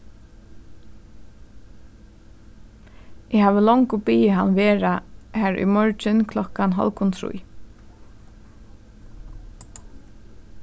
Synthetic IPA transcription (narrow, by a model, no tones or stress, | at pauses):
ʔɛhaːʋəlɔŋkʊpiːəɦanʋeːɹahæːɹʊ̰jmɔɹt͡ʃɪnkʰlɔkanɦɔ̰lkʊnt̪ʰɾṵj